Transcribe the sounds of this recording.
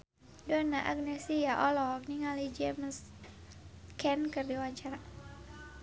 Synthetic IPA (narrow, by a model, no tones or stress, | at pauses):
dɔnaʔa̰ɡnɛsijaʔɔlɔak̚niŋalid͡ʒɛms | kɛnkɨrdiwaɲt͡ʃaɾa